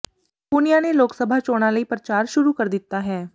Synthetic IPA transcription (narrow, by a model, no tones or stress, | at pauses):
punɪjaːneloːksəbʱaːt͡ʃoːɽ̃ãləipɾət͡ʃaːɾʃʊɾukəɾd̪ɪt̪ːaːɦɛː